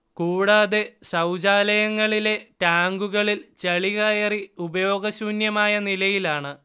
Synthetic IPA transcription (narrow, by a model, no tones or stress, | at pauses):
kuːɽaːðesɐwd͡ʑaːlɐjɐŋːɐɭile̞t̪aːŋɡuɣɐɭilt͡ɕɐɭiɣɐjɐriubɐjo̞ːɡɐɕuːnjɐmaːjɐnilɐjilaːɳɨ